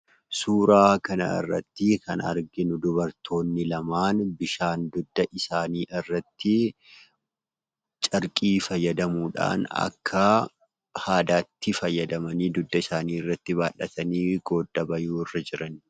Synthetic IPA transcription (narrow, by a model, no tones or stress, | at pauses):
suːɾaːkɐnɐ̰ɪ̰rːɐ̰t̪ːɪkʰɐ̰nɐ̰ɾɡɪnʊd̪ʊbɐɾt̪ʰo̞ːnːɪlɐmaːnbɪʃaːnd̪ʊd̪ːɐʔɪsaːniːʔɪrːɐt̪ːɪ | t͡ʃʼɐɾkʼiːfɐjːɐd̪ɐmuːᶑa̰ːnɐ̰kʰːɐ | haːd̪aːt̪ːɪfɐjːɐd̪ɐmɐniːd̪ʊd̪ːɐɪsaːniːɪrːɐt̪ːɪβaːᶑːɐt̪ɐniːɡo̞ːd̪ːɐbɐjuːɪrːɐd͡ʒɪɾɐn